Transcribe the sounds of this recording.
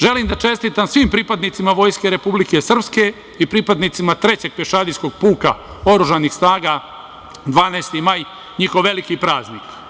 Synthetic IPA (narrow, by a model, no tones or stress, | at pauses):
ʒe̞limd̪at͡ʃe̞st̪it̪amsʋimpɾipad̪nit̪simaʋo̞ːjske̞ɾe̞publikesr̩pske̞ | ipɾipad̪nit̪simat̪ɾe̞t͡ɕe̞ɡ̚peʃad̪isko̞ɡ̚puːka | o̞ɾuʒanixsnaːɡa | d̪ʋaːneːst̪imaːj | ɲixoʋːe̞likipɾaːznik